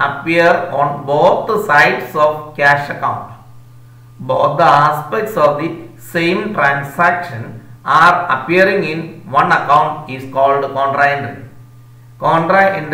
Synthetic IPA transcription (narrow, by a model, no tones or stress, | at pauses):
ɐpiəɾɔ̃ːnboːt̪̚ʰd̪əsaɪɖsɔːʋkæːʃɐkãʊ̃ɳʈ | boːt̪d̪əaːspek̚ʈsɔːʋd̪isẽːmʈɾãːnsækʃɐ̃naːɾɐ̰piɐɾĩŋĩnʋɐ̃nɐkãʊ̃ɳʈiskɔːlɖkɔ̃ːɳʈɾaĩɳɖɨ | kɔːɳʈɾaĩnɖ